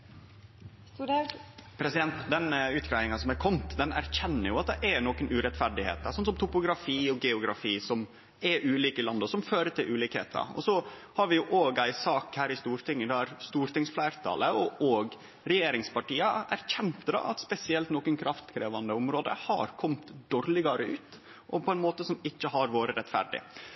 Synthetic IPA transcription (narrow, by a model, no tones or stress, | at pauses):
pʰɾɛsɪd̪ɛnt̪d̪ɛnʉːt̪ɡʰɾɑɪɪŋɑsɔmæɾkʰɔmt̪d̪ɛnæ̰ɾçɛnːəɾjʊɑt̪̚d̪ɛʔɛnoːkənʉːɾɛt̪fæɾɖɪhḛːt̪əsɔnsɔmt̪ʊpʊɡɾɑfiːɔɡɛʊɡɾɑ̰fiːsɔm | ɛʉːliːkəɪlɑnd̪əɔsɔmføːɾəʈ̪ʰɪlʔʉːliːkhḛːt̪ʰə̰ɔ̰sɔhɑɾʋɪjʊʔoːɡæɪsɑːkhæːɾɪst̪uːɾt̪ʰɪŋːəd̪ɛæɾst̪uːɾt̪ɪŋsflæɪɾt̪ʰɑ̰ləɔʔoːɡ | ɾɛjeːɾɪŋspɑʈiːəʔæ̰ɾçɛnt̪bɾɑ̰ɑt̪spɛsɪɛlt̪nɔːkənkʰɾɑft̪kʰɾeːʋɑnd̪əʊmɾoːd̪ə̰hɑ̰ɾkʰɔmt̪d̪̥oːɾlɪɡɑɾəʉːt̪ | ʔɔpʰɔɛnmoːt̪əsɔmɪçːəɦɑɾʋoːɾəɾɛt̪fæ̰ɾɖɪ̰